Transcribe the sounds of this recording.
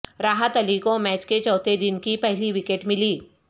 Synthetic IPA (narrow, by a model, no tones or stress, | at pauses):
ɾaːɦət̪ɐlikomɛːt͡ʃket͡ʃɔːt̪ed̪ɪnkipɛɦliʋɪkeːʈmɪliː